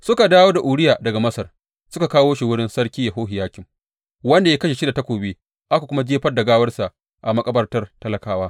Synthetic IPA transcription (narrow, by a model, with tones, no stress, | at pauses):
sʊ˦ka˨daː˦woː˦da˨ʔuː˨ɽɪ˦jaː˨dɐ˨ɡa˨mɐ˦sɐ˨r | sʊ˦ka˨kaː˦woː˦ʃi˨wʊ˦ɽɪ˦nsɐ˦ɽkʲiː˦ja˨ɦoː˦ɦɪ˨jaː˦kʲɪ˨ŋ | wɐ˦nda˨ja˦kɐ˦ʃe˨ʃi˦da˨ta˦kʷoː˨beː˦ | ʔa˦ka˨kʷʊ˦ma˦d͡ʒeː˦ɸɐ˦rdɐ˨ɡaː˦wɐ˦rsa˨ʔ | ʔa˨mɐ˦kʼɐ˦bɐ˦rtɐ˦rtɐ˦lɐ˨kaː˦waː˦